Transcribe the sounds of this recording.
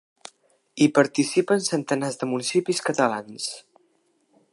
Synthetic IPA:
ipəɾt̪isipənsənt̪ənazðəmunisipiskət̪əla̰ns

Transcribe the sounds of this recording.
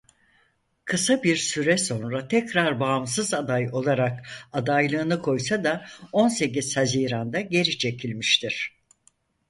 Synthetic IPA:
kʰɯsabiɾsyɾɛso̞nɾat̪ʰɛcɾaɾbaːmsɯzad̪ajo̞lˠaɾak̚ad̪ajlˠɯːnɯkʰo̞jsad̪ao̞nse̞c̬iz̥haziːɾand̪aɟe̞ɾit͡ʃʰe̞cʰilʲmiʃt̪ʰiɾ̥

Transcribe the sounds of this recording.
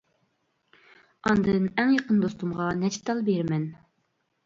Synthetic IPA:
ɑnd̪ɨnɛŋjɑqənd̪ost̪umʁɑnɛt͡ʃʰt̪ːɑlˠbeɾmɛn

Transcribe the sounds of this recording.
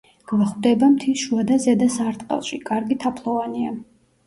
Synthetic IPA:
ɡ̥vaχwd̪ɛbamt̪ʰiʃuad̪azɛd̪asaɾt̪ʼqʼɛ̰lˠʃikʼaɾɡit̪ʰapʰlˠɔvania

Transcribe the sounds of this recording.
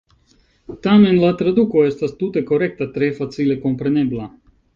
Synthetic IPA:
t̪amenlˠat̪ɾad̪ukoest̪ast̪ut̪ekoɾek̚t̪at̪ɾeːfat̪silekompɾanʲeblˠa

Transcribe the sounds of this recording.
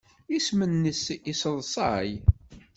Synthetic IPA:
ismənːəsisəðˤsˤɑj

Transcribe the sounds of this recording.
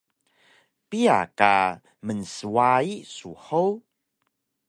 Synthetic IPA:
pia̰ka̰ | mənsuaisuħow

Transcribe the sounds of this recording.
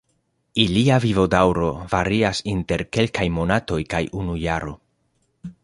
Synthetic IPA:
iliavivo̞dawɾo̞vaɾiasinte̞ɾke̞lkajmo̞nato̞jkajunujaɾo̞̰

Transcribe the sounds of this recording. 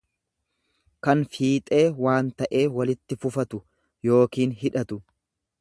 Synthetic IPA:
kɐnfiːt̪ʼe̞ːwaːnt̪ɐʔe̞ːwɐlɪt̪ːɪfʊfɐt̪ʊ | jo̞ːkiːnɦɪᶑɐt̪ʊ

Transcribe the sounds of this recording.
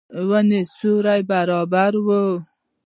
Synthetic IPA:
wənesuɾajbaɾɑbaɾwo

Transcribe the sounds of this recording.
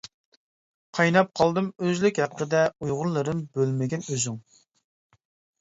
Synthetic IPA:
qʰɑjnɑp̚qʰɑlˠd̪ɨmøzlykʲhæqʰːəd̪ɛujʁʊɾlˠɨɾɨnbølmɪɡʲɛnøzyŋ

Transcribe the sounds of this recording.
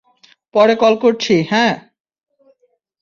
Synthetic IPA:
pɔɾekɔlkoɾt͡ɕʰihɛ̃

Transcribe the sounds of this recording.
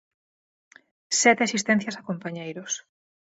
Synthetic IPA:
sɛt̪easist̪ɛnθjɐsakompaɲejɾos

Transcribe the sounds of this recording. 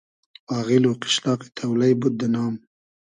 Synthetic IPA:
ɑːɣiloqɪ̥ʃlɑːqi̥t̪ʰawlajbud̪̚d̪ənɑːm

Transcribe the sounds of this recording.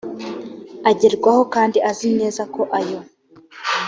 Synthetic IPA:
aɟeɾɡwaho̞kaːndiʔazine̞ːzako̞ʔajo̞

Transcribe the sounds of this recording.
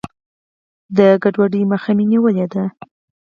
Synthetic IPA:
d̪əɡaɖwaɖəjməxaminiwəled̪a

